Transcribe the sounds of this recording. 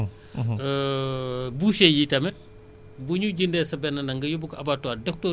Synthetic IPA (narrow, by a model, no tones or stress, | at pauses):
buʃejiːtɐmɛ | buɲuɟindɛːsɐbɛnɐnɐŋɡɐjobukʔɐbaːtwaːdɛk̚tɔ